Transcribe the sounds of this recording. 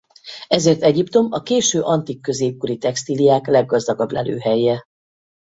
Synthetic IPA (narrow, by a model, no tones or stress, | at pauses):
ɛzeːrt̪ɛɟipt̪o̞mɒkeːʃøːʔɒnt̪ikːø̞zeːp̚kuɾit̪ɛkst̪ilijaːklɛɡːɒzd̪ɒɡɒblɛ̰lø̰ːɦɛjːɛ